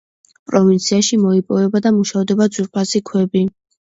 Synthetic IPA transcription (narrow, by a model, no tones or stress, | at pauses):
pʼɾɔvint̪sʰiaʃimɔipʼɔvɛbad̪amuʃaɔd̪ɛbad̪zuɾpʰasikʰwɛbi